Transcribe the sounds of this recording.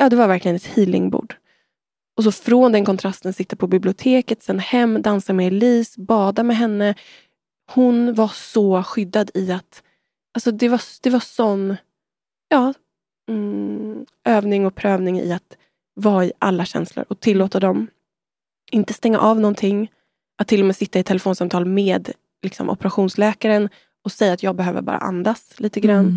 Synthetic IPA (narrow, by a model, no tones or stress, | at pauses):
jɑːd̪ɛvaɾvæɾklɪɡənɛt̪hiːlɪ̰ŋbṵːɖ | ʔɔs̬ɔfɾɔnd̪ɛnkʰɔnt̪ʰɾast̪ənsɪt̪ːəpʰɔbɪblɪʊt̪ʰeːkət̪sɛnːhɛmːd̪ansamɛliːsbɑːd̪amɛɦɛnːə | hʊnvasɔɧʏd̪ːad̪ɪat̪ | alsɔd̪ɛvad̪̥ɛvasɔnː | jɑː | ɛ | ʔøːvnɪŋɔpʰɾøːvnɪŋɪ̰at̪ | vɑːɪʔalːaɕɛ̰nslʊ̰ɾɔt̪ʰɪlːoːt̪ad̪ɔm | ɪnt̪əst̪ɛŋːa̰ʔɑːvnɔnt̪ʰɪŋː | ʔat̪ʰːɪlːɔmeːsɪt̪ːaɪt̪ʰɛlɛfoːnsamt̪ʰɑːlmeːd̪ | lɪksɔ̰mʔɔ̰pɛɾaɧuːnslɛːkaɾən | ɔsɛjːaːt̪jɑːɡ̚bɛɦøːvə̰bɑ̰ːɾa̰ʔa̰nd̪asliːt̪əɡɾanː